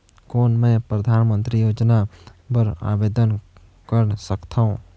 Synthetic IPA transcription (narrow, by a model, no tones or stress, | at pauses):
kɔːnmɛ̃pɾəd̪ʱaːnmə̃nt̪ɾijoːd͡ʒnapəɾa̰ːʋeːd̪ən | kəɾsəkt̪ʰaũ